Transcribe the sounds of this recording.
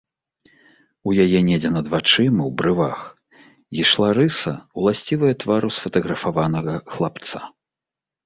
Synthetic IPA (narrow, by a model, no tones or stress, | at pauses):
ujajɛnʲɛd͡zʲɛnɐd̪vat͡ʂɨmɨwbɾɨva̰x | iʂlˠaɾɨsɐ̰wlˠasʲt͡sʲivɐjɐt̪vaɾusfɐt̪ɐɣɾɐfavanɐɣɐxlˠap̚t̪sa